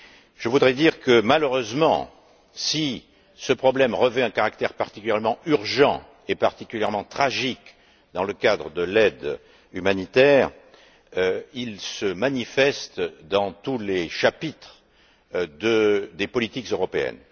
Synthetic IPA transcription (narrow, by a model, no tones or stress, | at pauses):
ʒ̥əvud̪ʁɛd̪iʁkəmaløʁøzmɑ̰̃ | si | səpχɔblɛmʁəvɛɛ̃kaʁakt̪ɛʁpaʁt̪ikʲyljɛʁmɑ̃yʁʒɑ̰̃ | epaʁt̪ikʲyljɛʁmɑ̃t̪χaʒik | d̪ɑ̃ləkad̪ʁəd̪əlɛd̪ | ymanit̪ɛʁ | ilsəmanifɛst̪d̪ɑ̃t̪uleʃapit̪χ | d̪əd̪epɔlit̪ikzøʁɔpeɛ̰n